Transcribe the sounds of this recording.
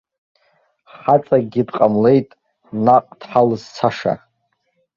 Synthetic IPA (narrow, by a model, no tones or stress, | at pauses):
χat͡sʼaɡʲidqʼamle̞jtʼ | naqʼd̥ħalɨzt͡sʰaʂa̰